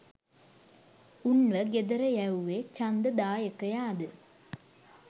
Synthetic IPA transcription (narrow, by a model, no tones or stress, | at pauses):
uɳʋɐɡed̪ɐɾɐjɐwʋet͡ɕɐnd̪ɐd̪aːjɐkːɐjaːd̪ɨ